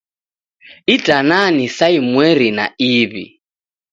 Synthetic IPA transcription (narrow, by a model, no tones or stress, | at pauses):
itʼananisaimwɛɾina̰iːβḭ